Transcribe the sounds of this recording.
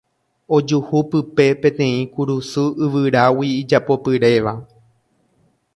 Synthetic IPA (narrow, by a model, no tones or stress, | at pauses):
o̞d͡ʒuhupɨpe̞pẽt̪ẽ̞ĩkuɾusɨɨʋɨɾawiːd͡ʒapo̞pɨɾe̞ʋa